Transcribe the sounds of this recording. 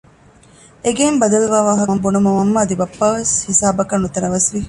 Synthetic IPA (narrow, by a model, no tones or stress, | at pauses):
eɡembɐd̪ɐluʋaːʋaːɦɐmbunumɐʋɐmːɐːd̪ibɐpːaːʋeshisaːbɐkɐnːut̪ɐnɐʋɐsʋi